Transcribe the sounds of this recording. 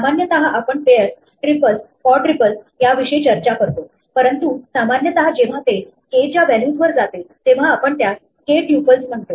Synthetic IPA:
samanjət̪əɦaʔapəɳpejəɾs | ʈɾipəlskɔʈɾipəls | jaʋiʂəjt͡ɕəɾt͡ɕakəɾt̪o | pəɾənt̪usamanjət̪əɦad͡ʑeʋ̤at̪e | ket͡ɕjaʋæljuːsʋəɾd͡zat̪et̪eʋ̤aːpəɳt̪jas | keʈjupəlsm̤əɳt̪o

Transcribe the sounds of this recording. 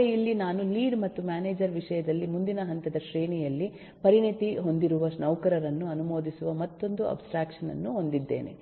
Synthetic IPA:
jilːinaːnuliːɖmɐt̪ːumaːneːd͡ʒɐɾʋiʂɐjɐd̪ɐlːimund̪inɐɦɐnt̪ɐd̪ɐʃɾeːɳijɐlːi | pɐɾiɳit̪iɦond̪iɾuʋɐsnɐwkɐɾɐɾɐnːuɐnumo̞ːd̪isuʋɐmɐt̪ːo̞nd̪uɐ̰bsʈɾaːkʂɐnɐ̰nːuɦo̞nd̪id̪ːḛːnḛ

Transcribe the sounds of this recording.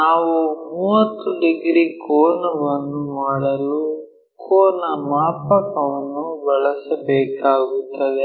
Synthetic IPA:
naːʋumuːɐt̪ːuɖiɡɾiːkoːnɐʋɐnːumaːɽɐlu | kʰoːnɐmaːpɐkɐʋɐnːubɐɭɐsɐbɛːkaːɡut̪ːɐd̪e

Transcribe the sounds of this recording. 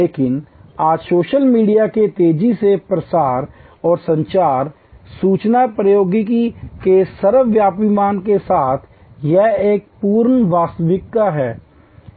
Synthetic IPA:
leːkɪnaːd͡ʒsoːʃəlmiːɖijaket̪eːd͡ʒisepɾəsaːɾ | ɔːɾsə̃ɲt͡ʃaːɾ | suːt͡ʃnapɾəjoːɡikikesəɾəʋjaːpimaːnkesaːt̪ʰ | jɛeːk̚puːɾnʋaːst̪ʋɪkːaɦɛː

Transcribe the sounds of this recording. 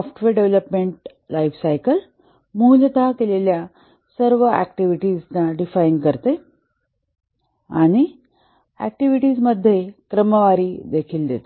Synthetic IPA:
sɔfʈʋeɾɖeʋləpmeɳʈ | lajfsajkəl | mulət̪akelelja | səɾʋəæ̰k̚ʈiʋiʈiːznaɖifajiŋɡkəɾt̪e | a̰ɽ̃i | æ̰k̚ʈiʋiʈiːd͡zməd̪ʱːjekɾəməʋaɾiːd̪ekʰiːld̪ḛt̪e

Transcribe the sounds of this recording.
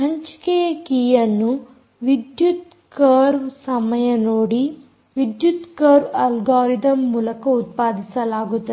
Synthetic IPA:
ɦɐɲt͡ʃkejɐkiːjɐnːu | ʋid̪jut̪ | kɐɾʋsɐmɐjɐnoːɽi | ʋid̪jut̪kɐɾʋɐlɡaːɾid̪ɐmːuːlɐkɐut̪̚paːd̪isɐlaːɡut̪ːɐ

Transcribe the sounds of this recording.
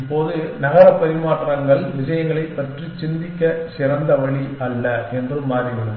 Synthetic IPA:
pːoːðɯnɐɣɐɾɐpːɐɾɪmaːʈrɐŋɡɐɭʋɪsɐjɐŋɡɐɭɐɪpːɐʈrit͡ʃɪnd̪ɪkːɐsɪrɐnd̪ɐʋɐɭiʔɐlːɐɛndrɯmːaːɾɪʋɪɭɯm

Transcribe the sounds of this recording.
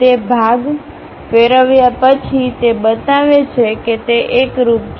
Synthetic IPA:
t̪ebʱaɡ | feɾəʋjapət͡ʃʰit̪ebət̪aʋet͡ʃʰeket̪eʔekɾup̚

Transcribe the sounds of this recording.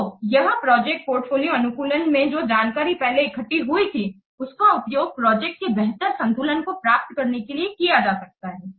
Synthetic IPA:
ojɐɦə̃pɾɔːd͡ʒɛk̚ʈ̚poːɾʈfoːlijoɐnʊkuːlənmẽd͡ʒoːd͡ʒaːnkaːɾipɛɦleɪkʰəʈːiɦuit̪ʰi | ʊskaʊpjoːɡ̚pɾɔːd͡ʒɛːk̚ʈ̚kebɛɦt̪əɾsɐ̃nt̪uːlənkopɾaːp̚t̪kɐɾnekeliekiad͡ʒaːsɐɾk̚t̪aɦɛː

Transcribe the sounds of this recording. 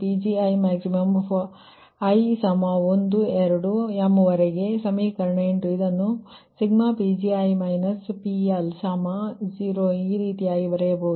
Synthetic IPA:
pid͡ʒiɐjmaːksimɐm | ɐjsɐmaːond̪uɛɾɐɽujamːuʋɐɾeɡe̞sɐmikɐɾɳeɳʈuid̪ɐnːu | siɡmaːpiːd͡ʒiɐjmɐjnɐspielsaːmad͡ʒiːɾoːiːɾiːt̪ijaːɡiʋɐɾɛjɐbɐɦud̪u

